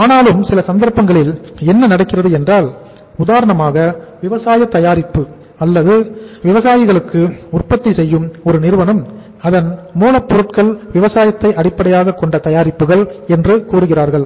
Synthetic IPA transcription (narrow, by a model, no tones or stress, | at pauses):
aːnaːlɯmsɪlɐsɐnd̪ɐɾpːɐŋɡɐɭɪlɛnːɐnɐɽɐkːɪrɐðɯɛndraːl | ʊðaːɾɐɳɐmaːɣɐʋɪʋɐsaːjɐt̪ɐjaːɾɪpːɯ | ɐlːɐðɯʋɪʋɐsaːjɪɣɐɭɯkːɯʊrpɐt̪ːisɛjːɯmɔɾɯnɪɾɯʋɐnɐm | ɐðɐnmuːlɐpːʊɾɯʈkɐɭʋɪʋɐsaːjɐt̪ːɐɪʔɐɽɪpːɐɽɐjaːɣɐkːɔɳɖɐt̪ɐjaːɾɪpːɯɣɐɭɛndrɯkuːɾɯɣɪraːɾɣɐɭ